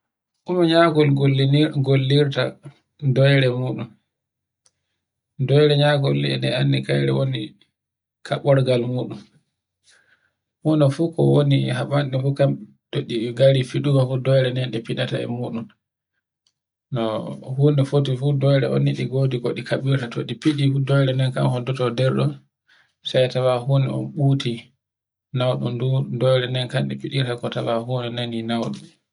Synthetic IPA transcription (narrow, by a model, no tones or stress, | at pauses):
ʔumɔɲakɔlɡolːiniɡolːiɾta̰ | dɔjɾɛmuːɗun | dɔjɾɛɲakɔlːiɛɗɛanːikajɾɛ̰woni | kʰaɓɔɾɡalmuːɗum | hunɔfuːkɔwonihaɓanɗɛfukam | toɗiɡaɾifiɗumafudɔjɾɛnɛnɗɛpinata̰ɛ̰muːɗun | nɔhuːnɛfotifudɔjɾɛɔ̰nːiɗiɡodiɡoɗikaɓiɾtatoɗipiɗifudɔjɾɛnɛnka̰mhɔdɔtɔdɛɾɗɔn | sajtawahuːnɛ̰ɔ̰nɓuti | nawɗṵndudɔjɾɛnɛnkanɗɛpiɗiɾakɔtawahuːnɛnaninawɗum